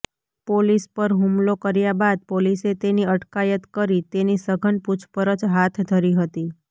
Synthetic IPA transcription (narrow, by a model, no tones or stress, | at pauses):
polispəɾɦumlokəɾjabad̪̚poliset̪eniəʈkajət̪kəɾit̪enisəɡʱənput͡ʃʰpəɾət͡ʃɦat̪ʰd̪ʱəɾiɦət̪i